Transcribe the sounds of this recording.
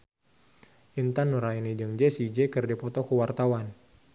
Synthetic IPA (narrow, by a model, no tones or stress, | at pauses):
ʔint̪anːuɾainid͡ʒəŋd͡ʒɛsid͡ʒɛkərdipɔt̪ɔkəwart̪awan